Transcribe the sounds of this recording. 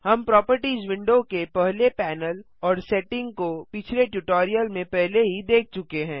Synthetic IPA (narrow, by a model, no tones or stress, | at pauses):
hɐmpɾɔːpəɾʈizwɪ̃ɳɖokepɛɦlepɛːnəl | ɔːɾsɛːʈɪ̃ŋɡkopɪt͡ʃʰleʈjuʈɔːɾijəlmẽpɛɦleɦid̪eːk̚ʰt͡ʃʊkeɦɛ̃ː